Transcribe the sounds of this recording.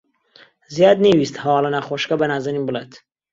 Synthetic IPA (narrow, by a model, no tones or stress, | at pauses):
zijaːd̪newist̪hɐwɑːlˠɐnaχoʃkɐbɐnaːzaninbɨlet̪